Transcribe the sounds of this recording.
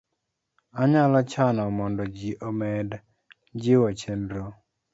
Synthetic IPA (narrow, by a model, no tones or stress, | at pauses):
aɲalat͡ʃanɔmɔndɔd͡ʒiʔɔmɛd | d͡ʒɪwɔt͡ʃendɾo